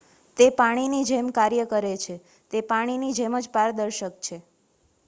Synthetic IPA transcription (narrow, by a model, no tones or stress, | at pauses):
t̪epaɽ̃inid͡ʒemkaɾjəkəɾet͡ʃʰe | t̪epaɽ̃inid͡ʒeməd͡ʒpaɾd̪əɾʃək̚t͡ʃʰe